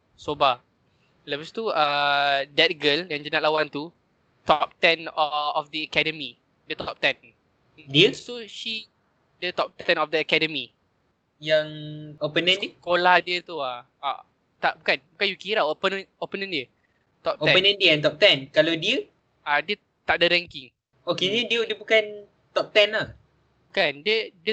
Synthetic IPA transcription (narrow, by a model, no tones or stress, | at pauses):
soba | lɛvəst̪uadɛt̪̚ɡəljãŋd͡ʒənat̪̚lawãnt̪u | t̪ɔp̚t̪ɛ̃nɔfdəəkɛdəmi | dət̪ɔp̚t̪ɛ̃n̩ | diəsoʃi | dət̪ɔp̚t̪ɛ̃nɔfdəəkɛdəmi | jaŋopənə̃nddiəkolahdiət̪ua | a̰ | t̪aʔbukãnbukãnjukiɾawopənə̃nopənə̃ndiə | t̪ɔp̚oɛ̃pənə̃ndiɛ̃nt̪̬ɔp̚t̪ɛ̃nkaladiə | ʔadiə | t̪aʔ̚dəɾɛ̃ŋkiŋ | okedədiədiəbukan | t̪ɔp̚t̪ɛ̃na | bukãndədə